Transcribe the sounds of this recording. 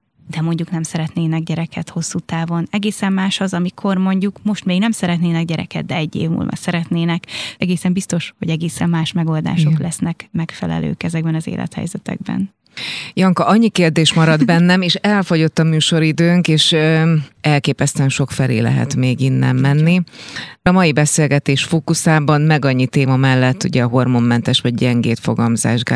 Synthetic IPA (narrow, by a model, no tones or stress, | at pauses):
d̪ɛmo̞ɲɟuknɛmsɛɾɛt̪neːnɛɡɟɛɾɛkʰɛt̪ho̞sːuːt̪aːvo̞nɛɡeːsɛmːaːʃɒzɒmikʰo̞rmo̞ɲɟukmo̞ʃt̪meːɡnɛmsɛɾɛt̪neːnɛɡ̚ɟɛɾɛ̰kɛ̰d̪̚d̪ɛɛɟːḛːvmṵːlmɛ̰rsɛɾɛt̪neːnɛkɛɡeːsɛmbist̪o̞ʃho̞̰ɟɛɡeːsɛmːaːʃmɛɡo̞ld̪a̰ːʃo̞klɛsnɛkmɛkfɛlɛ̰lø̰ːkɛzɛɡ̚bɛnɒzḛːlʔɛ̰t̪hɛ̰jzɛt̪ɛ̰ɡ̚bɛ̰n | jɒŋkɒʔɒɲːikeːrd̪eːʃmɒɾɒd̪bɛnːɛmeːʃɛlfo̞ɟo̞t̪ːɒmyːʃo̞ɾid̪øːŋkeːʃøɛlkeːpɛst̪ɛnʃo̞kfɛlḛːlɛ̰ɦɛ̰t̪meːɡinːɛ̰mːɛnːiɒmɒjibɛseːlɡɛt̪eːʃfoːkusaːbɒnmɛɡɒɲːit̪eːmɒmɛlːɛt̪ːṵɟɛɒɦo̞rmo̞mːɛnt̪ɛʃʋɒɟɟɛŋɡeːt̪fo̞̰ɡɒmza̰ːʒɡa